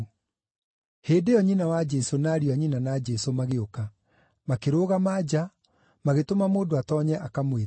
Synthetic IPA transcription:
heːdejɔɲinawad͡ʒɛsonaːɾiaɲinanad͡ʒɛsomaɣeoka | makeɾoːɣamad͡ʑa | maɣetomamoːdoatɔɲɛʔakamwe

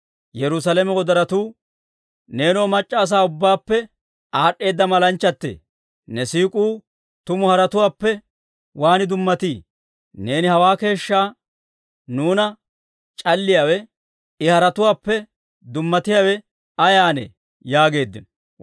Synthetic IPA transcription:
jɛɾʊsɐlɛmɛwɔd̪ɐɾɐt̪uː | ne̞ːnoːmɐt͡ʃʼːaːs̬aːʊbːaːpːɛ | aːɗːe̞ːd̪ːɐmɐlɐnt͡ʃːɐt̪ːḛː | nɛsiːkʼuː | t̪ʊmʊhɐɾɐt̪ʊwaːpːɛ | waːnɪd̪ʊmːɐt̪iː | ne̞ːnɪhɐwaːke̞ːʃːaː | nuːnɐ | t͡ʃʼɐlːɪjaːwɛ | ɪhɐɾɐt̪ʊwaːpːɛ | d̪ʊmːɐt̪ɪjaːwɛ | ɐjaːnḛ | jaːɡe̞ːd̪ːɪn

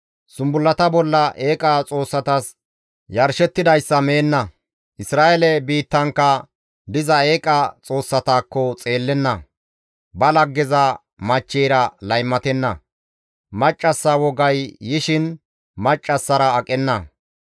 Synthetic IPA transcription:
sʊmbʊlːɐt̪ɐbɔlːɐʔe̞ːkʼɐt͡sʼo̞ːsːɐt̪ɐs | jɐɾʃɛt̪ːɪd̪ɐjsːɐmeːnːɐ | ʔɪsɾaːʔɛlɛbiːt̪ːɐŋkːɐ | d̪ɪzɐeːkʼɐt͡sʼo̞ːsːɐt̪aːkːɔt͡sʼe̞ːlːɛnːɐ | bɐlɐɡːɛzɐ | mɐt͡ʃːɛːɾɐlɐjmːɐt̪ɛnːɐ | mɐt͡ʃʼːɐsːɐwɔɡɐjːɪʃɪn | mɐt͡ʃʼːɐsːɐɾɐːkʼɛnːɐ

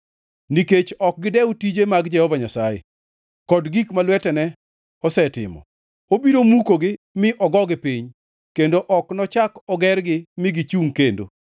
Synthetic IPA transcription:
niket͡ʃɔk̚ɡɪdɛutid͡ʒemaɡd͡ʒɛhɔvaɲasajḛ | kɔdɡikmalwɛtɛnɛ | ɔsɛtɪ̰mɔ̰ | obiɾomukoɡɪ | mɪʔɔɡɔɡɪpiɲ | kendoʔɔknɔt͡ʃakɔɡɛrɡɪmɪɡit͡ʃuŋkendo̰

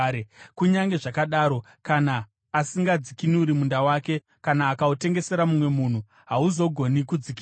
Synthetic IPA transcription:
kuɲaŋɡe̞ʐakaɗaːɾo̞ | kanaː | siŋɡad͡zikiniuɾimundawaːke̞ | kanaːkaute̞ŋɡe̞se̞ɾamumwe̞muːn̤u | ɦauzo̞ɡʱo̞nikud͡ziki

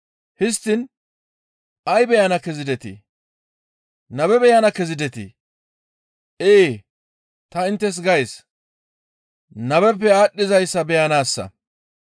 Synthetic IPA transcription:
hɪst̪ːɪn | ɐjbɛjɐnɐkɛzɪd̪ɛt̪ḭ | nɐbɛbɛjɐnɐkɛzɪd̪ɛt̪ḭ | ʔeː | t̪ɐɪnt̪ːɛs̬ɡɐjs | nɐbɛpːɛaːɗːɪzɐjsːɐbɛjɐnaːsːɐ̰

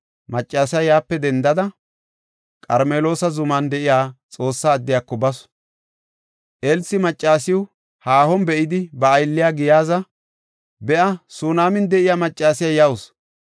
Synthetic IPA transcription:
mɐt͡ʃʼːaːsɪjaːjaːpːɛd̪ɛnd̪ɐd̪ɐ | kʼɐɾmeːlo̞ːsɐzʊmɐnd̪ɛʔɪjaːt͡sʼo̞ːsːaːd̪ːɪjaːkːɔbɐsʊ̥ | ʔɛlsɪmɐt͡ʃʼːaːsɪwʊ | haːhɔnbɛʔɪd̪ɪbɐːjlːɪjaːɡɪjaːzɐ | bɛʔɐsuːnaːmɪnd̪ɛʔɪjaːmɐt͡ʃʼːaːsɪjajɐwʊs

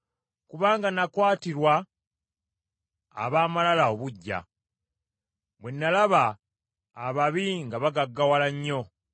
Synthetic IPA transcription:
kuβaːŋɡanakwaːtiɾwa | βaːmalalao̞βuɟːa̰ | mwenːalaβaː | βaβiŋɡaβaɡaɡːawalaɲːo̞

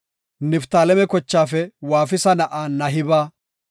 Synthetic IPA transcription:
nɪft̪aːlɛmɛkɔt͡ʃːaːfɛwaːfɪsɐnɐʔaːnɐɦɪbaː

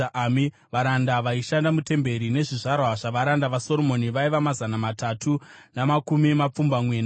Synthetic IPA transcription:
aʔami | ʋaɾandaʋaiʃandamute̞mbe̞ɾine̞ʐiʐarwaʐaʋaɾandaʋaso̞ɾomo̞niʋaiʋamazanamatatʰunamakumimap͡fumbamwe̞ːna

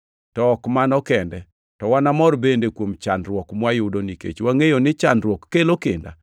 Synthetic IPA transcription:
tɔːkmanɔkɛndɛ | tɔwanamɔrbendekwomt͡ʃandɾwɔkmwajʊdonikḛt͡ʃwaŋejonɪt͡ʃandɾwɔkːelokenda̰

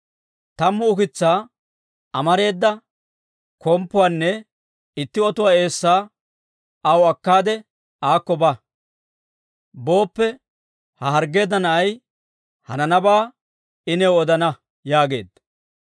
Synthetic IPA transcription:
t̪ɐmːʊʊkɪt͡sːaː | ɐmɐɾe̞ːd̪ːɐ | kɔmpːʊwaːnːɛ | ɪt̪ːɪɔt̪ʊwaːe̞ːsːaː | ɐwɐkːaːd̪ɛ | aːkːɔbɐ | bo̞ːpːɛ | hɐɦɐɾɡe̞ːd̪ːɐnɐʔɐj | hɐnɐnɐbaː | ɪnɛwɔd̪ɐnɐ | jaːɡe̞̰ːd̪ɐ

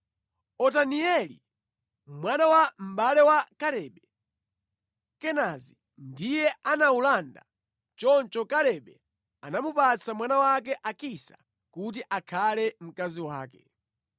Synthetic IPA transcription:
ɔtaniɛlḭ | mwanawam̩balɛwakaɾɛɓɛ | kɛnazi | ndijɛanaulanda̰ | t͡ʃɔnt͡ʃɔkaɾɛɓɛ | anamupat͡sʰamwanawak̬ɛʔakisḁ | kut̬iʔakʰalɛm̩kaziwaːkɛ

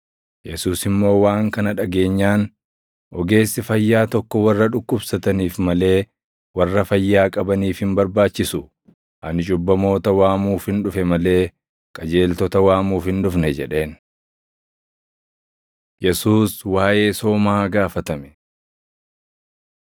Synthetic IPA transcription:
jɛsuːsɪmːo̞ːwaːŋkɐnɐᶑɐɡe̞ːɲːaːn | ʔɔɡe̞ːsːɪfɐjːaːt̪ɔkːɔwɐrːɐᶑʊkːʊbsɐt̪ɐniːfmɐle̞ː | wɐrːɐfɐjːaːkʼɐbɐniːfhɪmbɐɾbaːt͡ʃːɪsʊ | ʔɐnɪt͡ʃʼʊbːɐmo̞ːt̪ɐwaːmuːfhɪnᶑʊfɛmɐle̞ː | kʼɐd͡ʒe̞ːlt̪ɔt̪ɐwaːmuːfhɪnᶑʊfnɛd͡ʒɛᶑe̞ːn | jɛsuːswaːʔe̞ːso̞ːmaːɡaːfɐt̪ɐmɛ̥

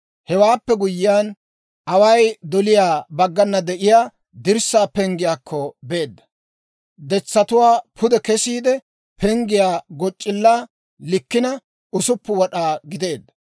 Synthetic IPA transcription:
hɛwaːpːɛɡʊjːɪjan | ʔɐwɐjd̪ɔlɪjaːbɐɡːɐnːɐd̪ɛʔɪjaː | d̪ɪɾsːaːpɛŋɡɪjaːkʰːɔbe̞ːd̪ːɐ̥ | d̪ɛt͡sːɐt̪ʊwaːpʰʊd̪ɛkɛsiːd̪ɛ | pʰɛŋɡɪjaːɡɔt͡ʃʼːɪlːaː | lɪkːɪnɐ | ʔʊsʊpːʊwɔɗaːɡɪd̪e̞ːd̪ːɐ̥

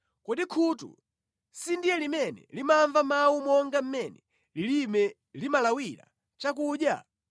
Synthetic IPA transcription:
kɔɗikʰutṵ | sindijɛlimɛnɛ̰limaɱvamawumɔŋɡam̩mɛnɛ | lilimɛ | limalawila̰ | t͡ʃak̬uːɗja̰

